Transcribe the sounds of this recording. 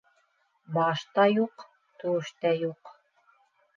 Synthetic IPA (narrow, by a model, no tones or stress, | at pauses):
bɑʃt̪ɑjuq | t̪ɵ̆wɘ̆ʃt̪æjuq